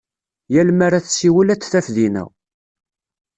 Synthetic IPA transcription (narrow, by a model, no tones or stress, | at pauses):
jælmaɾæθsiwəlæt͡sːθæfðinæ̰w